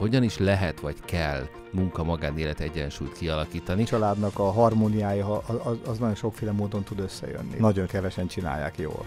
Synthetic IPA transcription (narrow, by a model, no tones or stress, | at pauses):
ho̞ɟɒniʃlɛɦɛt̪ʋɒckɛl | muŋkɒmɒɡaːneːlɛt̪iɛɟːɛnʃṵːjt̪kiɒlɒkiːt̪ɒnit͡ʃɒlaːd̪nɒkɒɦɒrmoːnijaːjɒɦɒɒznɒjonʃo̞kfeːlɛmoːd̪o̞nt̪ud̪ø̞sːɛ̰jø̰nːḭnɒɟo̞ŋkɛvɛʃɛnt͡ʃina̰ːjːa̰ːkjo̰ːl